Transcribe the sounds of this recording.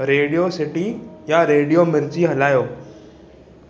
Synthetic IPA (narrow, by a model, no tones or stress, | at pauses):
ɾeːɽijosɪʈijaɾeːɽijomɪɾd͡ʑiɦɐlaːjoː